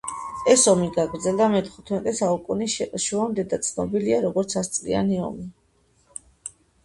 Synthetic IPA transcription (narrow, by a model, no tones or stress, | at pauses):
ɛsɔmiɡaɡɾd̪zɛld̪amɛt̪ʰχut̪ʰmɛt̪ʼɛsaukʼuniʃuamd̪ɛd̪at̪sʰnɔbiliaɾɔɡɔɾt̪sʰast̪sʼlḭa̰niɔ̰mi